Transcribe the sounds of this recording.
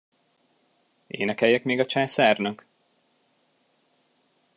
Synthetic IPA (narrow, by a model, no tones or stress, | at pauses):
ḛːnɛkɛjːɛkmeːɡɒt͡ʃaːsarnɒk